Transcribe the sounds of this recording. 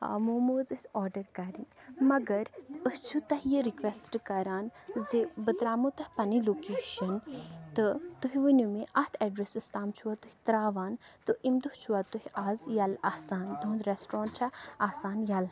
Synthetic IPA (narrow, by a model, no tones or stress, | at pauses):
muːmoːzɨsɔːɾɖəɾkɐɾinmɐɡɐɾəst͡ʃʰut̪ɐɦjəɾikʋesʈkɐɾaːnzebɨt̪ɾaːmut̪ɐhpɐniloːkeːʃɐnt̪ɨt̪uɦiʋɨnumẽʔɐt̪ʰɛɖɾesist̪aːmt͡ʃʰuat̪uhit̪ɾaːʋaːnt̪ɨʔimd̪uht͡ʃʰuat̪uhiʔaːzjɐlaːsaːnd̪uːnd̪ɾesʈɾɔ̃ːɳʈ̚t͡ʃʰɐaːsaːnjɐl